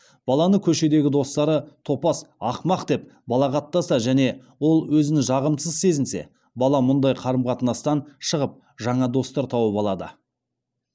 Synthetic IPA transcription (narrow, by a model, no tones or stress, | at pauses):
b̥ɑlˠɑnəkʲʰɵʃe̞d̪e̞ɡʲɪd̪o̞st̪ɑɾət̪ʰo̞pɑsɑqmɑqd̪e̞p̚bɑlˠɑqɑt̪ːɑsɑʒæne̞ | wo̞lˠwɵzɪnɪʒɑʁəmsəzse̞zɪnse̞̰ | bɑlˠɑmʊnd̪ɑjqʰɑɾəmqʰɑt̪ənɑst̪ɑnʃəʁəp̚ | ʒɑɴɑd̪o̞st̪ɑɾt̪ʰɑwəpɑlˠɑd̪ə̰